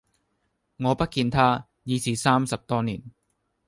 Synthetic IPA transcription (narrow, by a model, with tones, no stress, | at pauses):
ŋɔː˨˧pɐ˥t̚kiː˧nt̪ʰaː˥ | jiː˨˧sʰiː˨˩saː˥msɐ˨p̚t̪ɔː˥niː˨˩n